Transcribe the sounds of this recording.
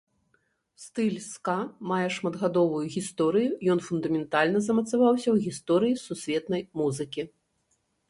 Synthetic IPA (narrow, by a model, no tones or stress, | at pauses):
st̪ɨlʲskamajɛʂmɐd̪ɣad̪ɔvujuɣʲist̪ɔɾɨjujɔnfund̪ɐmʲɛnt̪alʲnɐzɐmɐt̪savawsʲɐwɣʲist̪ɔɾɨjisusʲvʲɛt̪nɐjmuzɨkʲi